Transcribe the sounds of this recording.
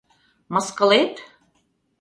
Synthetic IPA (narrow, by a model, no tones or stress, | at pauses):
mɤ̆skɤ̆let̪